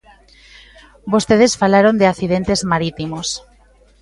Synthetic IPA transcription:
bost̪eð̞esfalaɾond̪eaθiðent̪ezmaɾit̪imos

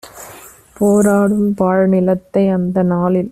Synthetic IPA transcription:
poːɾaːɽɯmpaːɻnɪlɐt̪ːɐɪɐnd̪ɐnaːlɪl

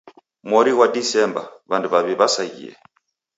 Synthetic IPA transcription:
mwɔɾiwadisɛmbaβanduβaβiβasaḭɛ̰

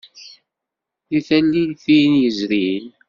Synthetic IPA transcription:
liθælːiθijnjəzɾil

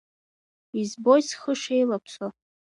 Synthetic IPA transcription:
izbojsχəʂe̞jlapʰso

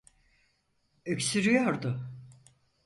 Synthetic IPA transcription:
øcʲsyɾyjɔɾd̪ʊ

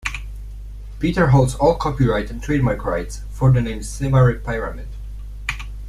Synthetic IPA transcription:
pitəɦolˠdzɔlˠkʰɔpiɹaɪtɛ̃ntʰɹ̥eɪd̚maɪkʰɹaɪts | fəɹðənẽɪ̃msɛvaɹipʰaɪɹamɪd

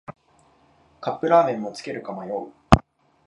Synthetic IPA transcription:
kapːɯ̟ɾaːmẽ̞mːo̞t͡sɨ̥ke̞ɾɯ̟kamajo̞i

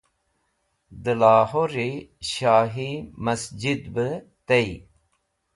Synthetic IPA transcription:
d̪əlaːhoɾiɕaːɦimɐsd͡ʑid̪bə | t̪ei

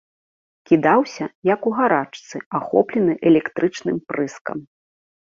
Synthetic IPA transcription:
kʲid̪awsʲɐjɐkuɣaɾat͡ʂt̪sɨaxɔ̰plʲɛnɨʔɛlʲɛkt̪ɾɨt͡ʂnɨmpɾɨskɐ̰m

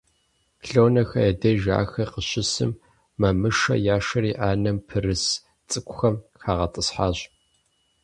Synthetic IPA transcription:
ɬownɐxɐjɐdɐʒa̰ːxɐqəɕɪsɨ̰mː | ɐmɨʂɐ̰jaːʂɐɾiːʔaːnɐmpʰɨrɨs | t͡sʼɨkʷʊxɐmxaːʁɐtʼɨsħaːɕ

